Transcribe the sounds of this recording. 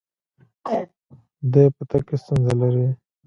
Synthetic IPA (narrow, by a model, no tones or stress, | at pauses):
d̪eːpət̪ɐkːest̪unzɐlɐɾi